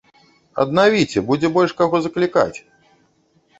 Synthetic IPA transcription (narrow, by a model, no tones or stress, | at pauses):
ɐ̰d̪navʲit͡sʲɛbud͡zʲɛbɔlʲʂkaɣɔzɐklʲika̰t͡sʲ